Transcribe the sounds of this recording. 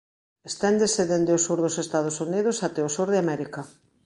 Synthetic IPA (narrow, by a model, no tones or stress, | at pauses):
est̪ɛnd̪eseðend̪eosuɾðosest̪að̞ʊsunið̞ʊsat̪eosuɾðeamɛɾikɐ